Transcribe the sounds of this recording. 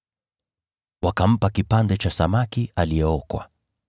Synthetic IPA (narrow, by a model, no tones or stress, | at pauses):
wakam̩pakipandɛt͡ʃasamakialijɛɔkwa̰